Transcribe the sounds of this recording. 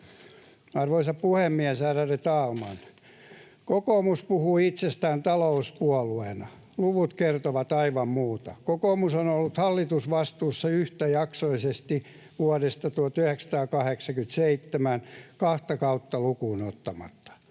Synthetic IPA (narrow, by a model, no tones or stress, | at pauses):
ɑrʋoisɑppuhemːiɛsæːræret̪ɑːlmɑn | kokoːmuspuhuːit̪sest̪æːnt̪ɑlouspuɔluenɑ | luʋut̪kert̪oʋɑt̪ɑiʋɑmmuːt̪ɑkokoːmusonolːut̪hɑlːit̪usʋɑst̪uːsːɑyht̪æjɑksoisest̪i | ʋuɔdest̪ɑt̪uot̪yheksɑ̥t̪ɑːkɑheksɑkyt̪seit̪ːemænkɑht̪ɑkɑut̪ːɑlukuːnot̪ːɑmɑ̰t̪ːɑ̥